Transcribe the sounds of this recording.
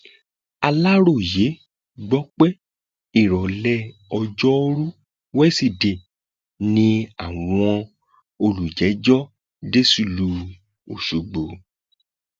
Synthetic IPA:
a˧la˦ɾo˦˨je˨˦ | ɡ͡bɔ˨˦k͡pɛ˦ | i˦˨ɾɔ˨lɛ˦ɔ˧d͡ʒɔ˦ɾu˦ | wɛ˦si˨de˨ | nĩ˧a˦˨w̃ɔ̃˧ | o˧lu˨d͡ʒɛ˨˦d͡ʒɔ˦ | de˦su˦˨lu˧ | o̰˨ʃu˨ɡ͡bo˨

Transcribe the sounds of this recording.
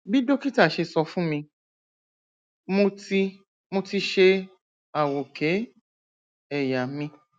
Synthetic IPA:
bi˦do˦ki˦ta˦˨ʃe˧sɔ˧fũ˦mĩ˧ | mõ˧ti˧ | mõ˧ti˧ʃe˧ | a˨wo˨ke˨˦ | ɛ˦˨ja˨mĩ˧

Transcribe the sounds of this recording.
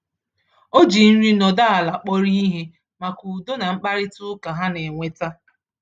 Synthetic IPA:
o˦d͡ʒi˨n̩˦ɾi˦nɔ˨da˦a˨la˨k͡pɔ˦ɾi˦i˦ɦe˦ | ma˨ku˨do˦na˨ŋ͡m̩˦k͡pa˦ɾɪ˦tʊ˦ka˨ɦa˦ne˨ŋʷe˨ta˦

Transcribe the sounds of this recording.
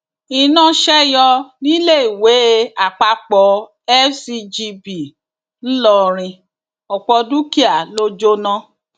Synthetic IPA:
i˧˨nã˦ʃɛ˦jɔ˧nĩ˦le˦˨i˨we˨˦a˨k͡pa˧k͡pɔ˨˦ | ɛ˦si˧d͡ʒi˧bi˨ | n̩˦lɔ˧˨ɾ̃ĩ˧ | ɔ˨k͡pɔ˧du˦ki˦a˨lo˦d͡ʒo˦nã˦

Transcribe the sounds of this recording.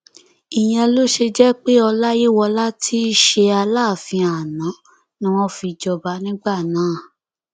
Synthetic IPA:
i˨j̃ɛ̃˧lo˦ʃe˧d͡ʒɛ˦k͡pe˦ɔ˧la˦je˦wɔ˧la˦ti˦ʃe˧a˧la˦˨fĩ˧a˨nã˨˦ | nĩ˦w̃ɔ̃˦fi˧d͡ʒɔ˧ba˨˦nĩ˦ɡ͡ba˦˨nãː˨˦˨

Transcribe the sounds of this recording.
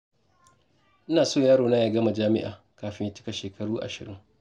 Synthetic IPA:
ʔɪ˦naː˨soː˦˨jaː˦ɽoː˨na˦jaː˨ɡɐ˦ma˨d͡ʒaː˦mɪ̰˦ʔa̰ː˨ | kaː˨ɸɪ˦ɲ˦t͡ʃɪ̥˦ka˨ʃeː˨kʰɐ˦ɽuː˦ʔa̰˨ʃɪ̰˨ɽɪ̰˦ŋ

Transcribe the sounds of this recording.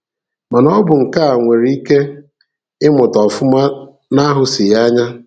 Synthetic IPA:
ma˨nɔ˦bʊ˨ŋ̩˨ka˦a˨ŋʷe˨ɾi˦i˦ke˦ | ɪ˦mʊ˨tɔ˨fʊ˦ma˦ | na˦ɦʊ˨sɪ˨ja˦ɲa˦

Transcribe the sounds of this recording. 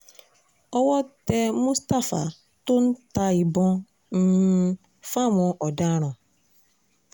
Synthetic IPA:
ɔ˦wɔ˦te˦mu˦sta˦fa˨ | tʊ˦n̩˦ta˦i˨bɔ˦ | n̩˦ | fa˦mɔ˨ʔɔ˨da˦ɾ̃ɔ̃˨

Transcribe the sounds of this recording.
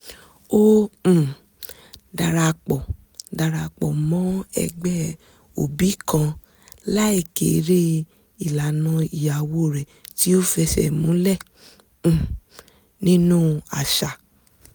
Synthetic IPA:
õ˦˨ | da˧ɾa˧k͡pɔ˨ | da˧ɾa˧k͡pɔ˨mɔ̃˨˦ɛ̰˧ɡ͡bɛ˦ | o̰˨bi˨˦kã˧ | la˦i˦˨kḛ˨˦ɾe˦ | i˨la˨nã˧i˨ja˨wo˧˦˨ɾɛ˨ti˦o˦fɛ˧ʃɛ̰˦˨mũ˨˦lɛ̃˦˨ | nĩ˦nũ˦a̰˨ʃa˨

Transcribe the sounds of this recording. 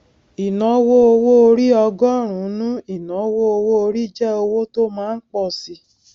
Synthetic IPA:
i˨nɔ̃˨˦wo˦o˧wo˦o˧ɾi˦ɔ˧ɡɔ˦˨ɾ̃ũ˨˦nũ˦i˨nɔ̃˨˦wo˦o˧wo˦o˧ɾi˦d͡ʒɛ˦o˧wo˦to˦mãː˦˧˦n̩˦k͡pɔ˦˨si˧

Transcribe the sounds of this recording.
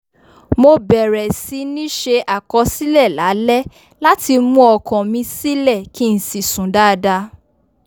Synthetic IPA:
mo˧bɛ˨ɾɛ˨si˧˦nĩ˦ʃe˧ʔa˨kɔ˧˦si˦lɛ˦˨la˨˦lɛ˦ | la˦ti˧mũ˦ɔ˨kɔ̃˨mĩ˧si˦lɛ˦˨ki˦n̩˨si˨sũ˨da˦˧da˧˦

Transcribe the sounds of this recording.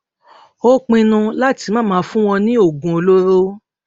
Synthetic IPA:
o˦k͡pĩ˧nũ˧la˦ti˧mã˦˨mãː˨˦fũ˦w̃ɔ̃˧nĩ˦o˦˨ɡũ˨o˧lo˦ɾo˦

